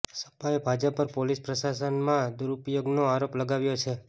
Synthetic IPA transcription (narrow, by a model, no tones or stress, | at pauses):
sə̥paebʱad͡ʒəpəɾpolispɾəʃasənmãd̪uɾupjoɡnoaɾopləɡaʋjot͡ʃʰe